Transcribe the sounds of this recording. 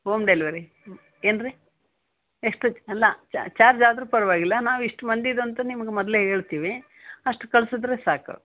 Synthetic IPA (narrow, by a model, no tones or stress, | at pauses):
ɦoːmɖeliʋɐɾi | eːnɾi | eʂʈuɐlːɐt͡ʃt͡ʃaːɾd͡ʒaːd̪ɾuːpɐɾɐʋaːɡilːɐnaːʋiʂʈmɐnd̪id̪oɐnt̪ɐnimɐɡemɔd̪leɦe̞ːɭt̪iːʋi | ɐʂʈukɐɭsod̪ɾesaːkṵ